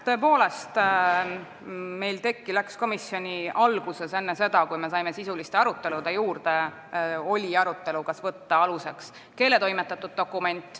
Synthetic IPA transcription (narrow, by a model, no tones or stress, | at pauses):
t̪o̞e̞po̞ːle̞st̪ | me̞jlt̪e̞kːilæksko̞misjo̞nʲiɑlɡ̥use̞se̞nːese̞d̪̥ɑkujme̞s̬ɑjme̞sisulist̪e̞ɑɾut̪ːˑe̞lud̪e̞juːɾd̪̥e̞ | o̞lʲiɑɾut̪ːˑe̞lukɑsvɤt̪ːɑɑluse̞ks | ke̞ːle̞t̪o̞jmet̪ːˑɑt̪ːˑud̪̥̚ːo̞kːˑume̞nʲt̪ːˑ